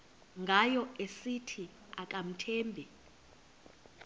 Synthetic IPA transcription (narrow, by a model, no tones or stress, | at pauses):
ŋɡʱajɔesitʰi | ak̬ʼam̩tʰɛːmbʱɛ